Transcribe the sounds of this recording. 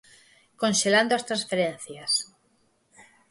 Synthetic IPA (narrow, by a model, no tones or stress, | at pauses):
kõnʃeland̪oast̪ɾãnsfeɾẽn̟θjas